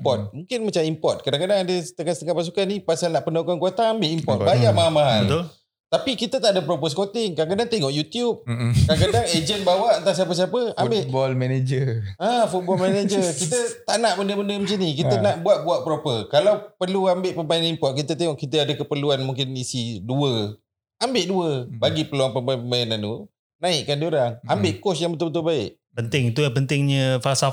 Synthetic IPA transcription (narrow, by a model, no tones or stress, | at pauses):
pɔt̪̚mũŋkɪnmat͡ʃamimpɔrt̪̚kadaŋkadaŋadəst̪əkanst̪əŋapas̬ukanipasalnaʔpənakankuat̪aambɪʔimpɔrt̪bajaʔmaɦalmaɦal | t̪apikit̪ət̪aʔdəpɾopəsəkot̪ɪŋkadaŋkadaŋt̪eŋɔʔjut̪jup̚kadakadaŋed͡ʒənbawaʔant̪ahs̬iapəs̬iapəambɪbɔlmɛned͡ʒəafut̪bɔlmaned͡ʒəkit̪ət̪aʔnaʔbəndəbəndəməsinikit̪ənaʔbuaʔ̚buaʔpəɾopəkalawpərluambɪʔpəmpajnanimpɔʔ̪̚kit̪ət̪eŋɔʔkit̪əadəkəpərluanmuŋkɪnisiduə | ambɪʔduəbaɡipəluaŋpəmbapəmajanantu | nãɪʔkandioɾaŋambɪʔkɔsjaŋbət̪ʊlbət̪ʊlbaɪʔ | pənt̪ɪŋit̪̬ujapənt̪ɪŋɲəfasa